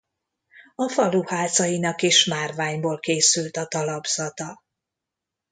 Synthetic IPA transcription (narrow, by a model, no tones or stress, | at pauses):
ɒfɒluhaːt̪sɒjinɒkeːʃmaːrvaːɲboːlkeːsylt̪ɒt̪ɒlɒbz̥ɒt̪ɒ